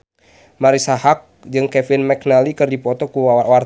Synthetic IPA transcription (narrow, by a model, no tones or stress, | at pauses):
maɾisahak̚d͡ʒɨŋkɛfinmɛk̚nalikɨrdipɔt̪ɔkuwa